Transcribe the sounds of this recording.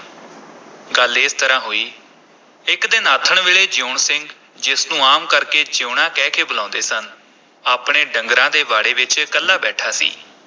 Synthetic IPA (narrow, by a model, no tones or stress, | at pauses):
ɡəlɪst̪əɾãːɦoːiː | ɪkd̪ɪnaːt̪ʰəɳʋeːɭeːd͡ʒoːɳsɪŋɡ | d͡ʒɪsnũːaːmkəɾkeːd͡ʒoːɳãːkɛːkʰeːbəlãːʊ̃nd̪eːsən | aːpɽeːɖəŋɡɾãːd̪eːʋaːɽeːʋɪt͡ʃkəlːaːbɛːʈʰaːsḭː